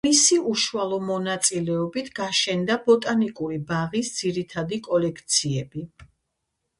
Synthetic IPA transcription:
isiuʃualˠɔmɔnat̪sʼilɛɔbit̪ʰɡ̥aʃɛnd̪abɔt̪ʼanikʼuɾibaʁisd̪z̥iɾit̪ʰad̪ikʼɔlɛkʰt̪sʰiɛbi

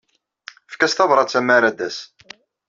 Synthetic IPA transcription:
fkæst̪ɑvɾˤɑt͡sːæmæɾæd̪æs

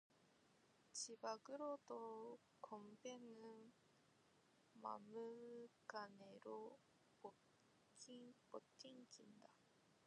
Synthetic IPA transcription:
t͡ɕibaɡɯɾodo | kombenɯn | ma̰mɯɡaneɾo | po | potʰiŋɡinda

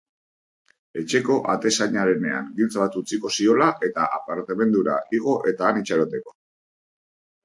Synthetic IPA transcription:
e̞t͡ʃe̞ko̞ʔat̪e̞saɲaɾe̞ne̞̰a̰ŋɡilt͡saβat̪ut͡siko̞sio̞laʔe̞t̪aʔapaɾt̪e̞βe̞nd̪uɾa̰iɣ̞o̞ʔe̞t̪aːnit͡ʃaɾot̪e̞ko̞̥

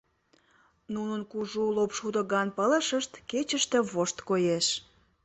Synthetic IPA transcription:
nunənkuʒulopʃut̪əɣɑnpələʃəʃt̪ket͡ɕəʃt̪ĕβoʃt̪kojeʃ

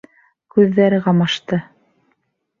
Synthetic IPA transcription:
kʉðːæɾɘʁɑmɑʃt̪ɤ

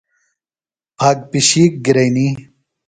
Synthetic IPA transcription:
pʰaːɡ̚piɕiːk̚ɡiɾɐjni

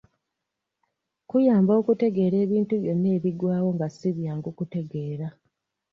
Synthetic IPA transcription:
kujaːmbo̞ːkute̞ɡe̞ːɾe̞ːβiːntuβjo̞nːe̞ːβiɡwaːwo̞ŋɡasiβjaːŋɡukute̞ɡe̞ːɾa

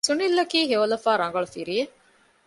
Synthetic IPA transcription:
sunilːɐkiːɦeolɐfaːɾɐŋɡɐɭufiɾie

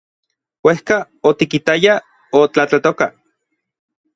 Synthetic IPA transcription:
wehka | ot̪ikit̪aja | ot͡ɬat͡ɬat̪oka

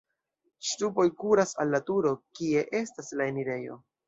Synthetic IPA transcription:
ʃtupo̞jkuɾasalːatuɾo̞kie̞ʔe̞staslae̞niɾe̞jo̞̰

